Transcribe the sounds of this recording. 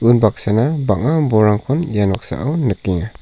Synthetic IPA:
unbaksanabaŋabɔɾaŋkʰɔnjanwaksa̰ʔonəkiŋa

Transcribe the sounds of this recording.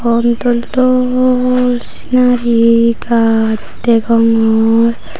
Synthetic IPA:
ɔnt̪ɔltɔ | si̥naɾika | ɛɡɔŋɔɾ

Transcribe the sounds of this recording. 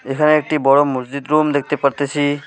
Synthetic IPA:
ekʰaneek̚ʈibɔɹɔmuszid̪ɾumd̪ek̚ʰt̪epaɾt̪esʰi

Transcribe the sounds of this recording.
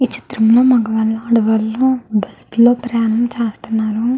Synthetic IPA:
it͡ʃi̥t̪ɾɐmlo̞ːmɐɡɐʋɐlːɐɐɽɐʋɐlːubɐsplo̞ːpɾjaːnɐmt͡ʃeːst̪unːaːɾu

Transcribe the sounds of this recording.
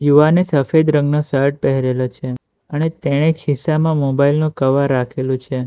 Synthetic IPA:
juʋanesəfed̪ɾə̃ŋɡnosəɾʈ̚pɛɦɾelot͡ʃʰe | ənet̪eɽ̃ekʰɪsamãmobailnũkəʋaɾːakʰelũt͡ʃʰe

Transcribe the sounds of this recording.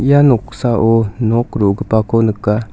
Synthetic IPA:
ijanoksaʔonokɾoɡɯpakonɯkːa

